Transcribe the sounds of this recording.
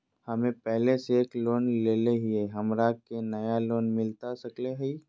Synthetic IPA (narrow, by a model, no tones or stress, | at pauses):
hɐmẽpɛɦleseːkloːnleːleɦieɦɐmɾakenɐjaloːnmɪlt̪asɐkleɦɛi